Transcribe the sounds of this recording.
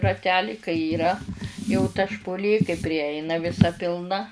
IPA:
rɐˈtʲæːlʲɪ kɐɪ iːˈrɐ jɛʊ tɐ ʃpʊˈlʲeː kɐɪ pʲrʲɪˈjɛɪnɐ ʋʲɪˈsɐ pʲɪlˠˈnɐ

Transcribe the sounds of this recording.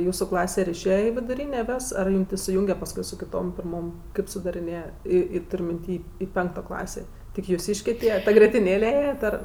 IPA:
ˈjuːsʊ ˈklˠɑːsʲɛ ɪr ɪʃʲˈeːjɛ ɪ ʋʲɪdʊˈrʲiːnʲeː ˈʋʲeːs ɐr ˈjuːm tʲɛn sʊˈjuːŋʲɡʲɛ pɐsˈkʊɪ sʊ kʲɪˈtoːm pʲɪrˈmoːm ˈkɐɪp sʊdɐrʲɪˈnʲeːjɛ ˈiː ˈiː ˈtʊrʲ mʲɪnʲˈtʲiː ɪ ˈpʲɛŋktoː ˈklˠɑːsʲeː tʲɪk jʊˈsʲiːʃʲkʲeː ˈtʲiɛ ˈtɐ ɡrʲiɛtʲɪˈnʲeːlʲɛ ˈeːjɛt ɐr

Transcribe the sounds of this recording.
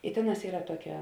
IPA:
ɪ ˈtʲeːˌnɑːs ˈiːrɐ ˈtuɔˌkʲɛ

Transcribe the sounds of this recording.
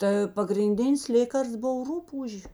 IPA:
tə pɐɡrʲɪnʲˈdʲɪnʲɪs ˈlʲeːkɐrsts ˈboːw ˈrʊpuːʒʲeː

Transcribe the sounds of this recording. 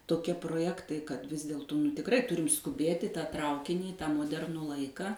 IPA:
toːˈkʲiɛ proːˈjæːktɐɪ kɐt ʋʲɪs ˈdʲeːlˠtuː nʊ tʲɪkˈrɐɪ ˈtʊrʲɪm skʊˈbʲeːtʲ ɪ tɑː ˈtrɐʊkʲɪnʲiː ɪ tɑː moːˈdʲɛrnuː ˈlˠɐɪkɐ

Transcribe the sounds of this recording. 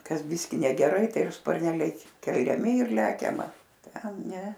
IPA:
ˈkɐs ˈbʲɪsʲkʲɪ nʲɛɡʲɛˈrɐɪ ˈtɐɪ ˈjɛʊ spɐrʲˈnʲæːlʲɛɪ kʲɛlʲɛˈmʲɪ ɪr ˈlʲæːkʲɛmɐ ˈtʲɛn ˈnʲɛ

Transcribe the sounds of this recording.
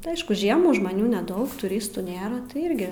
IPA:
tʲɪ ˈɐɪʃkʊ ʒʲiɛmuː ʒmɐˈnʲuː nʲɛˈdɐʊk tʊˈrʲɪstuː ˈnʲeːrɐ tɐɪ ˈɪrʲɡʲɪ

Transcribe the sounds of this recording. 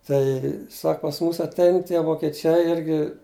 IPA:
ˈtɐɪ ˈsɐk pɐs ˈmuːs ɐtʲˈɛɪn tʲiɛ ʋoːkʲɛˈt͡ʃʲɛɪ ˈɪrʲɡʲɪ

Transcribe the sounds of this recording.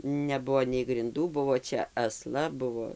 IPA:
nʲɛˈbuɔ nʲɛɪ ɡrʲɪnˈduː ˈbʊʋoː ˈt͡ʃʲɛ ɐˈslˠɐ ˈbʊʋoː

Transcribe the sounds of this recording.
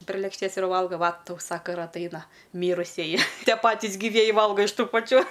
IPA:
pʲrʲeː lʲeːkʃʲˈtʲeːs ɪr ˈʋɐlˠɡɐ ˈʋɐ ˈtɐʊ ˈsɑːkɐ ɪr ɐtˈɐɪnɐ ˈmʲiːrʊsʲiɛjɪ ˈtʲiɛ ˈpɑːtʲɪs ɡʲiːˈʋʲiɛjɪ ˈʋɐlˠɡɐ ɪʃ ˈtuː pɐˈt͡ʃʲuː

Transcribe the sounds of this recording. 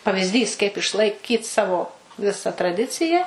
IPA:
pɐʋʲɪzʲˈdʲiːs kɐɪp ɪʃlˠɐɪˈkʲiːt ˈsɑːʋoː ˈʋʲɪsɐ trɐˈdʲɪt͡sʲɪjɛ

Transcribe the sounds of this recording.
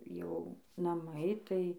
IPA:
jɛʊ nɐˈmɐɪ ˈtɐɪ

